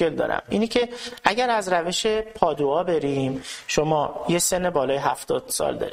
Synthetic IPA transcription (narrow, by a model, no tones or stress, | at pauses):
eld̪ɒ̰ːɾʔæ̰miːnecʰe̞æɟæɾæzɾæve̞ʃe̞pʰɒːd̪uɒːbe̞ɾiːmʃomɒːjese̞nːe̞bɒːlɒːjeɦæft̪ɒ̰ːd̪̥sɒ̰ːld̪ɒ̰ːɾi